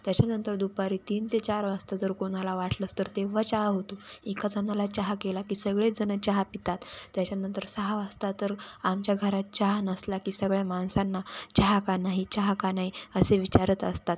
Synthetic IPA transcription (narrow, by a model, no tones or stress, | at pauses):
t̪jat͡ɕanənt̪əɾd̪upaɾiːt̪iːnt̪et͡ɕaɾʋast̪ad͡zəɾkoɽ̃alaʋaʈləst̪əɾt̪eʋ̤at͡ɕaɦɦot̪oikad͡zanalat͡ɕaɦkelakiːsəɡɭed͡zənət͡ɕaɦpit̪at̪ːjat͡ɕjanənt̪əɾsaɦaʋast̪at̪əɾamt͡ɕjaɡʱəɾat̪̚t͡ɕaɦnəslakiːsəɡɭjamaɳsanːat͡ɕaɦakanaɦit͡ɕaɦkanaɦiəseʋit͡ɕaɾət̪əst̪at̪̚